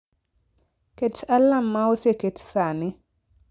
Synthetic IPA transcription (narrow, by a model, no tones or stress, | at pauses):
ketalːamːaoseketsanɪ